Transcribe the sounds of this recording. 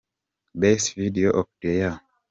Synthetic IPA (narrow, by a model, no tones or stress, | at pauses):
besvidioʔɔk̚deja